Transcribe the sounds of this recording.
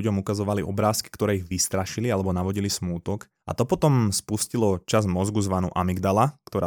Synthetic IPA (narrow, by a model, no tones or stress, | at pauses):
uɟɔmukazɔʋaliʔɔ̰bɾaːski̥kt̪ɔɾɛːiɣʋist̪ɾaʃilialɛbɔnaʋɔɟilismuːt̪ɔk | ʔa̰t̪ɔpɔt̪ɔmspuscilɔt͡ʃazmɔzɡuzʋanṵːʔamiɡd̪alakt̪ɔɾaː